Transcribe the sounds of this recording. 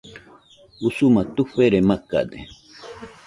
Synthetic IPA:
usumat̪uɸeɾemaka̰d̪ḛ

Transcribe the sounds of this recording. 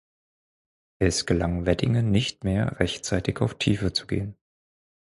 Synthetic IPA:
ʔɛsɡ̥əlaŋvɛdɪŋənɪçtmeːɐʁɛçtt͡saɪtɪçaʊftʰḭːfət͡su̥ɡḛːən

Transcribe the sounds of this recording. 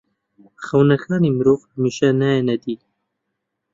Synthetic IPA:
xɐwnɐxʰɑːnimɾoːvhamiʃanaenɐd̪i

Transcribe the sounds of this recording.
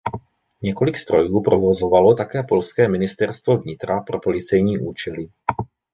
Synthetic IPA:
ɲɛkolikst̪ɾojuːpɾovɔzɔvalɔt̪akɛːpɔlskɛːminist̪ɛɾst̪vɔvɲit̪ɾapɾɔpolit͡sɛjɲiːʔuːt͡ʃɛli

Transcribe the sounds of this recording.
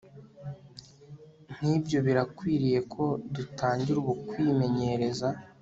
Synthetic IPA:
n̥ibɟo̞βiɾakwiːɾije̞kʰo̞dutʰaːɲɟiɾuβukwiːme̞ɲe̞ɾe̞za

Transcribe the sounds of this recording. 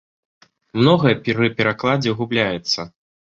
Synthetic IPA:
mnɔɣɐjɐpʲɾɨpʲɛɾaklˠad͡zʲɛɣublʲajɛt̪sːɐ

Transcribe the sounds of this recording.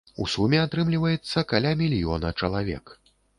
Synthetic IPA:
ṵsumʲɛat̪ɾɨmlʲivɐjɛt̪sːɐkalʲamʲilʲjɔ̰nɐt͡ʂɐlˠavʲɛ̰k

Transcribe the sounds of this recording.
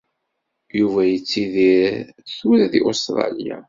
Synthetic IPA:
juvæjət͡sːiðiɾ | θuɾæðiʔost̪ɾˤɑ̰lija̰

